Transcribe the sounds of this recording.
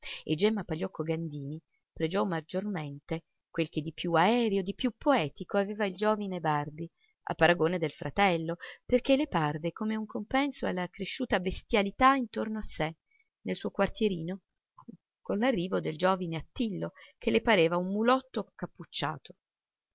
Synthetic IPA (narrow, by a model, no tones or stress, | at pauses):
ḛd͡ʒɛmːapaʎːɔkʰːoɡand̪iːni | pɾed͡ʒɔmːad͡ʒorment̪e | kwelk̟ed̪ipjuaɛːɾeod̪ipjupːoɛːt̪ikoaveːvaild͡ʒoːvinebarbi | a̰pːaɾaɡoːned̪elfɾʔat̪ɛlːoperk̟elːeparvekomeuŋkompɛnsoalːakɾeʃːuːt̪abest̪jalit̪aint̪ornoasːe | nelsuːokwart̪jeɾiːno | konlarːiːvod̪eld͡ʒoːvineat̪ːilːok̟elːepaɾeːvaumːulɔt̪ːokapːut͡ʃːa̰ːt̪o̥